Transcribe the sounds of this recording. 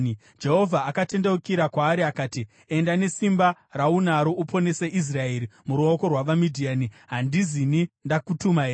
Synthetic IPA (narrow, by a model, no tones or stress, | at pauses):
d͡ʒe̞ɦo̞vʱaːkate̞ndeukiɾakwaːɾiakaːti | e̞ndane̞simbaraunaɾo̞ʔupʰo̞ne̞seʔis̬rae̞ɾimuɾuoko̞rwaʋamidʱianiɦandizinindakutumae